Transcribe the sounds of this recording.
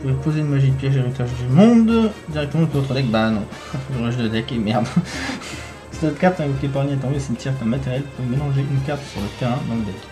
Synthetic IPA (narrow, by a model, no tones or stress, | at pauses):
ʒvepozeynmaʒid̪əpjɛʒeʁit̪aʒd̪ymɔ̃d̪d̪iʁɛk̚t̪əmɑ̃p̪vot̪χəd̪ɛk̚banɔ̃ | ʁʒd̪əd̪ɛkemɛʁd̪ | ssɛt̪kaʁt̪ɛ̃kok̪ep̬aʁynɛ̃t̪ɛ̃ɡsint̪iʁet̪ɛ̃mat̪ɛʁjɛlpumelɑ̃ʒeʔynkaʁt̪syʁləpeʁɛ̃d̪ɑ̃ləd̪ɛk